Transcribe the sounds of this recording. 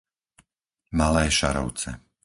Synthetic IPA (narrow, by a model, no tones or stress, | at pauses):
malɛːʃaɾɔ̰ʊt͡sɛ̰